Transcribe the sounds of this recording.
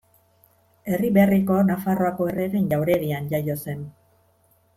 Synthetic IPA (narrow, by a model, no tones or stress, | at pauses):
e̞riβe̞riko̞nafaro̞ako̞ereɾe̞nʎawɾe̞ɣianʎajo̞se̞n